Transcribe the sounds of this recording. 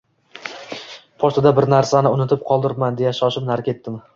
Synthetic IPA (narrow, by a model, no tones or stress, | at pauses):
pʰɒʃt̪ɪd̪abɪɾnaɾsanɪʊnɪt̪ʰɪp̚qʰɒlˠd̪ɪɾpmand̪e̞jaʃɒʃɪpnaɾkʲe̞t̪ːɪm